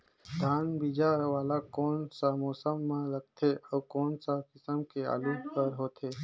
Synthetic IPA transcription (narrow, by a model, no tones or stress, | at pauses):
d̪ʱaːnbid͡ʒaʋaːlakoːnsamɔːsəmːãləɡ̚t̪ʰeɔːkoːnsakɪsəmkea̰ːlũpəɾɦoːt̪ʰeː